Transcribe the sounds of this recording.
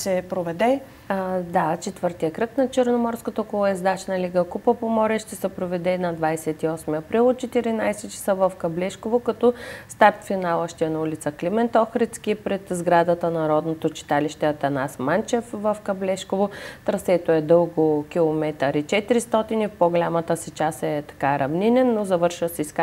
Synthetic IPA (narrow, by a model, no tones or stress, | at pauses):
sɛpɾovɛd̪ɛ | d̪at͡ʃɛt̪vɤɾt̪ijəkɾəknɐt͡ʃəɾnomɔɾskət̪ɐɔkolˠoɛzd̪at͡ʃnɐliɡəkupəpomɔɾəʃt̪ɛsɛpɾovɛd̪ɛinɐd̪vajsɛt̪iɔsmiɐpɾilˠot̪t͡ʃɛt̪iɾinajsɛt͡ʃɐ̥səvəfkɐblɛʃkovokɐt̪ɔst̪aɾʲt̪finalˠəʃt̪iɛnɐulʲit̪səklʲimɛnt̪ɔxɾɛt̪skʲipɾɛt̪zɡɾad̪ət̪ənɐɾɔd̪not̪ot͡ʃi̥t̪aliʃt̪ɛɐt̪ɐnasmant͡ʃɛfvəfkɐblɛʃkovot̪ɾɐsɛt̪oɛd̪ɤlˠɡokʲilˠomɛt̪əɾit͡ʃɛt̪iɾist̪ɔt̪inifpoɡolʲamət̪əsit͡ʃasɛt̪ɐ̥kaɾɐvninɛnːozɐvɤɾʃəsɛisk